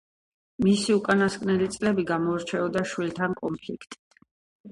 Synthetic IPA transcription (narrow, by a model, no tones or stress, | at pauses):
misiukʼanaskʼnɛlit̪sʼlɛbiɡamɔɾt͡ʃʰɛɔd̪aʃwilt̪ʰankʼɔmpʰlikʰt̪ʼi